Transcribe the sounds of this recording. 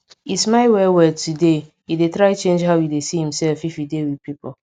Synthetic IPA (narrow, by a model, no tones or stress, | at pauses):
ismaɪwɛwɛtʰude | jidetɾaɪt͡ʃẽnd͡ʒɦaʊwjidesihĩmsɛlfifjidewid̚pipɔ